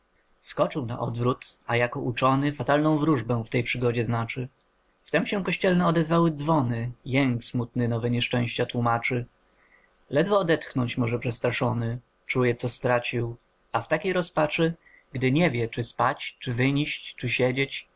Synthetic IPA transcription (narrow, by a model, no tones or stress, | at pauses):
fskɔt͡ʂɘwna̰ʔɔ̰d̪vɾut̪ajakɔʔut͡ʂɔnɘfat̪alnɔ̃w̃vɾuʐbɛw̃ft̪ɛjpʂɘɡɔd͡ʑɛznat͡ʂɘ | ft̪ɛmɕɛ̃kɔɕt͡ɕɛlnɛɔd̪ɛzvawɘd̪zvɔnɘjɛŋksmut̪nɘnɔvɛɲɛʂt͡ʂɛ̃w̃ɕt͡ɕat̪wumat͡ʂɘ | lɛd̪vɔːd̪ɛt̪xnɔɲt͡ɕmɔʐɛpʂɛst̪ɾaʂɔnɘ | t͡ʂujɛt̪sɔst̪ɾat͡ɕiw | aft̪akʲejɾɔspat͡ʂɘ | ɡd̪ɘɲɛvʲjɛt͡ʂɘspat͡ɕt͡ʂɘvɘɲiɕt͡ɕt͡ʂɘɕɛd͡ʑet͡ɕ